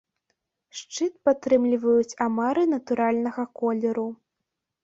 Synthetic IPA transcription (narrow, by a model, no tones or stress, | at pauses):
ʂt͡ʂɨt̪̚pat̪ɾɨmlʲivɐjut͡sʲamaɾɨnɐt̪uɾalʲnɐɣɐkɔlʲɛɾu